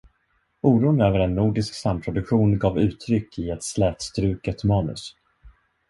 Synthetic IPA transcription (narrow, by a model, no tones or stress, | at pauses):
uːɾuːnøːvəɾɛnːuːɖɪsksampʰɾʊd̪ɵkɧuːnɡɑːvʉ̟ːt̪ʰɾʏkːɪɛt̪slɛːt̪st̪ɾʉ̟ːkət̪mɑːnɵ̰s